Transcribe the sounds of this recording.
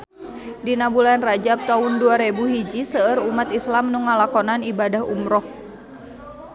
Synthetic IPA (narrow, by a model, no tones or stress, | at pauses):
dinabulanrad͡ʒab̚t̪aʊnduaɾebuɦid͡ʒisəəɾumat̪islamnuŋalakɔnanibadaɦṵmɾɔh